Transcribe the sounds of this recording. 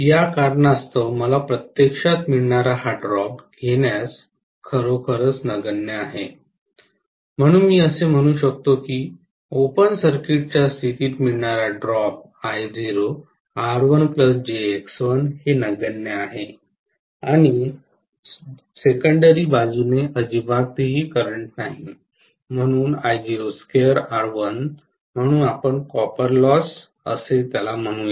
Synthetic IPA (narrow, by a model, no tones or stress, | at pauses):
jakaɾɳast̪əwməlapɾət̪jekʂat̪miɭɳaɾaɦaɖɾɔp̚ɡʱeɳjas | kʰəɾokʰəɾət͡snəɡənjəaɦe | m̤əɽ̃uːnmiːəsem̤əɽ̃uːɕək̚t̪okiː | opənsəɾkiʈ̚t͡ɕjasiʈ̪iːt̪miɭɳaɾaɖɾɔp̚ | ajd͡ziɾo | aɾʋənpləsd͡ʑeːksʋənhenəɡənjəaɦe | aɽ̃i | sekəɳɖəɾibad͡zuneʔəd͡ʑibaɡ̚t̪eɦiːkəɾəɳʈnaɦi | m̤əɽ̃uːnajd͡ʑiɾoskeɾaɾʋən | m̤əɽ̃uːnapəɳkɔpəɾlɔs | ə̰set̪jalam̤əɽ̃ũːje